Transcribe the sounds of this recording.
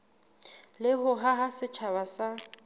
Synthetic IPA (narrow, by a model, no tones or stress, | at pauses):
lɪɦʊɦaɦasɪt͡ʃʰaβasa